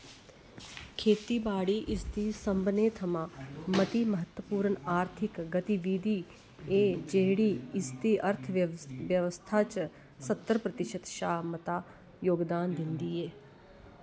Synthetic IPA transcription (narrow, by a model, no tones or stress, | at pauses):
kʰeːt̪iːbaːɽiːʔɪst̪iːsəmbneːt̪ʰəmãːmət̪iːməɦət̪wəpuːɾənaːɾt̪ʰɪkɡət̪iʋiːd̪iː | eːd͡ʒeːɽiːɪst̪iːʔəɾt̪ʰʋjəʋəst̪ʰaːt͡ʃ | sət̪ːəɾəpɾət̪ɪʃət̪ʃaːmət̪aː | joːɡd̪aːnd̪ɪnd̪iːɛː